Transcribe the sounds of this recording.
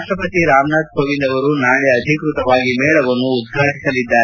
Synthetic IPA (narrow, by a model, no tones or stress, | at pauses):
ʂʈɾɐpɐt̪iɾaːmnaːd̪̚bʱoːʋind̪ɐʋɐɾunaːɭjɐɐd̪ʱikɾut̪ɐʋaːɡimɛːɭɐʋɐnːuːd̪̚ɡʱaːʈisɐlid̪ːaː